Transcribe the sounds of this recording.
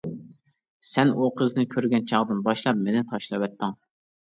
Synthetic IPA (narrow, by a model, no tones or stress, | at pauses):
sɛnuqʰəznɨkʲʰøɾɡʲɛnt͡ʃʰɑʁd̪ɨnbɑʃlˠɑp̚menɪt̪ʰɑʃlˠɨwɛt̪ːɨŋ